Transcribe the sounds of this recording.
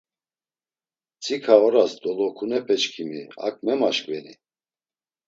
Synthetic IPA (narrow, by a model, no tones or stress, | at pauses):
t͡sʼikʰaɔɾasd̪ɔlɔkʰunɛpʰʼɛt͡ʃkʰimia̰k̚ʰʼmɛmaʃkʼvɛni